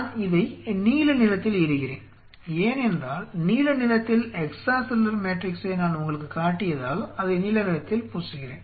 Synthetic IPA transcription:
nɪðɐɪniːlɐnɪlɐt̪ːɪlɪɾɯɣɪrḛːn | eːnɛndraːlniːlɐnɪlɐt̪ːɪlɛksaːsɪlːɐɾmeːʈrɪkseːnaːlʊŋɡɐɭɯkːɯkaːʈːɪjɐðaːlɐðɐniːlɐnɪɻɐt̪ːɪlpuːsɯɣɪrḛːn

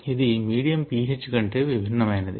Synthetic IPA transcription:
iðɨmiːɽijɐmpiːɦet͡ɕːɨkːɐɳɖɨʋibʱinːɐmaːnːɐðɨ̰

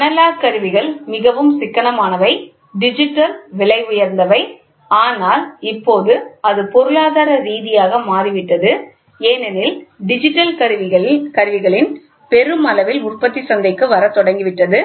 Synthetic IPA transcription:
nɐlaːɾkɐɾɯʋɪɣɐɭmɪɣɐʋɯmsɪkːɐɳɐmaːnɐʋɐɪ | ɖɪd͡ʒɪʈːɐlʋɪɭɐɪʊjɐɾnd̪ɐʋɐɪ | aːnaːlɪpːoːðɯɐðɯpɔɾɯɭaːðaːɾɐɾiːðɪjaːɣɐmaːɾɪʋɪʈːɐðɯ | eːnɛnɪlɖɪd͡ʒɪʈːɐlkɐɾʋɪɐɭkɐɾɯʋɪɣɐɭɪn | pɛɾɯmɐlɐʋɪlʊrpɐt̪ːisɐnd̪ɐɪkːɯʋɐɾɐt̪ːɔɽɐŋɡɪʋɪʈːɐðɯ

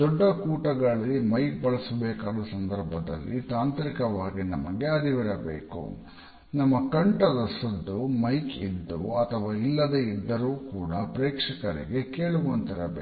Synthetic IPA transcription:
d̪ɔɖːɐkuːʈɐɡɐɭɐimɐjk̚bɐɭɐsɐbeːkaːd̪ɐsɐnd̪ɐɾbʱɐd̪ɐ̰lːḭt̪aːnt̪ɐɾikɐʋaːɡinɐ̰mɐɡeɐd̪iʋiɾɐbḛːkṵ | nɐmːɐkɐɳʈɐd̪ɐsɐd̪ːumɐjkid̪ːṵɐt̪ʰɐʋaːilːɐd̪eid̪ːɐɾuːkuːɽɐpɾeːkʂɐkɐɾḭɡe̞ke̞ːɭuʋont̪iɾɐbeː

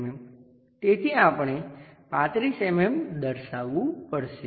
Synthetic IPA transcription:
mem | t̪et̪ʰiãpəɳ̃epãt̪ɾisememd̪əɾʃaʋːũpəɽʃe

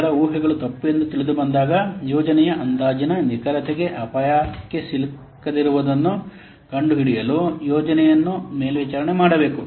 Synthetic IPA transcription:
ɾɐuːɦɛɡɐɭut̪ɐpːujend̪ut̪iɭid̪ubɐnd̪aːɡɐjɔːd͡ʒɐnɛjɐʔɐnd̪aːd͡ʒɐnɐnikɐɾɐt̪ʰɛɡe̞ʔɐpɐjaːkːesil | kɐd̪iɾuʋɐd̪ɐnːu | kɐɳɖuɦiɽijɐlujɔːd͡ʒɐnɛjɐnːume̞ːlʋiːt͡ʃaːɾɐɳemaːɽɐbe̞ːku

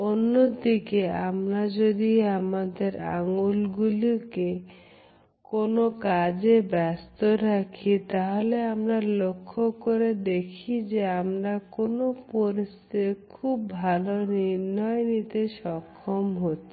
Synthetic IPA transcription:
onːod̪ikeamɾad͡ʑod̪iamad̪eɾa̰ŋulɡulike | konokad͡ʑebɛst̪oɾakʰit̪aɦoleamɾalokʰːokoɾed̪ekʰid͡ʑeamɾakonopoɾist̪ekʰubːʱaloniɾnɔenit̪eʃɔkʰːomɦotːʰi̥

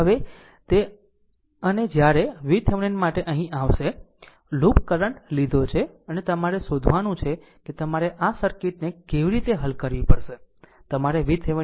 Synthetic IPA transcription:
ɦəʋe | t̪e | əned͡ʒjaɾeʋit̪ʰeʋɳinmaʈeʔəɦĩʔaʋʃe | lupkəɾəɳʈlid̪ʱot͡ʃʰe | ənet̪əmaɾesod̪ʱʋanũt͡ʃʰe | ket̪əmaɾeʔasəɾkiʈnekeʋiɾit̪eɦəlkəɾʋipəɾʃet̪əmaɾeʋit̪ʰeʋ

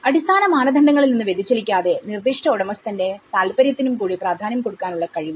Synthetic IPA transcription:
ɐɽist̪ʰaːnɐmaːnɐd̪ʱɐɳɖɐŋːɐɭilninːɨʋed̪ʱit͡ɕːelikʲːaːðe̞nird̪iʂʈɐoɽɐmɐst̪ɐnde̞t̪aːlpɐɾjɐt̪ːinumkuːɽipraːd̪ʱaːnɐmko̞ɽukːaːnuɭːɐkɐɻiʋu

